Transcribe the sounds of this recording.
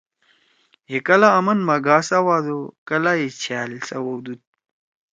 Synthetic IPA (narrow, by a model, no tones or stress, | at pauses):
jekɐlaːmɐnmɐɡaːsawaːd̪okɐlajet͡ɕʰaːlsɐwowd̪ut̪̚